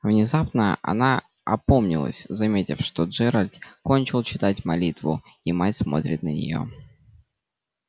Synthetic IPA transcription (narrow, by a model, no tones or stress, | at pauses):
vnʲɪzapnəʔɐ̰na | ɐpo̞mnʲɪ̰lˠə̰sʲzɐmʲetʲɪfʂt̪o̞ʐɛɾəlʲt̪ko̞nʲt͡ɕɪlˠt͡ɕɪt̪atʲmɐlʲit̪vʊ̰ | imatʲsmo̞̰t̪ɾʲɪ̰t̪nənʲɪ̰jo̞̰